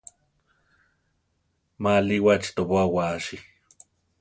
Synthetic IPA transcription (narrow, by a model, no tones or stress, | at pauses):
maliwat͡ʃt̪oβwawaʃi